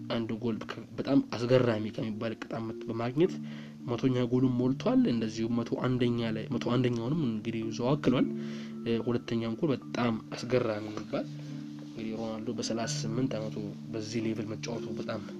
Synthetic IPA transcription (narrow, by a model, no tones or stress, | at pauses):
ʔand̪ɡo̞lkʰəbət̪ʼamasɡərːajmikʰəmːibːalɨkʼːɨt̪ʼamːət̪bəmaɡɲɛt̪ | mət̪ʰo̞ɲːaɡo̞lumːolt̪ʰwalɨnd̪əzːihumət̪ʰo̞ʔand̪əɲːalajmət̪ʰoand̪əɲːawnɨmɨɡɨd̪iuzəwakːɨlwal | hulət̪ʰːəɲːaŋɡonbət̪ʼamasɡəramimːibːal | ɨŋɡɨd̪ihɾonalːobəsəlasasɨmːɨnt̪amət̪ʰo | bəzːihlevɨlmət͡ʃʼːawt̪ʰobət̪ʼam